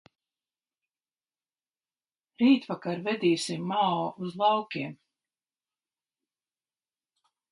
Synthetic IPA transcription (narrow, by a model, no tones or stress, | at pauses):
ɾiːt̪vakaɾvɛd̪iːsimːaɔuzlˠɑwkʲiɛm